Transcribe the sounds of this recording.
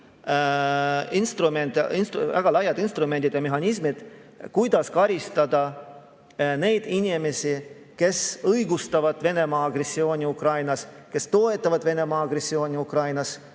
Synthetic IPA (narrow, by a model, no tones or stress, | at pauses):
inst̪ɾument̪inst̪væ̰ɡ̥ɑlɑjɑd̪̥inst̪ɾume̞nd̪id̪jɑmeɦɑnʲis̬mid̪̥kujd̪̥ɑskɑɾist̪ɑd̪̥ɑ | ne̞jd̪̥inʲime̞si | ke̞sɤjɡust̪ɑvɑd̪̥ve̞ne̞mɑːɑɡre̞sːio̞ːnʲiukrɑjnɑs | ke̞st̪o̞e̞t̪ːˑɑvɑd̪ve̞ne̞mɑːɑɡ̥resːio̞ːnʲiukrɑjnɑs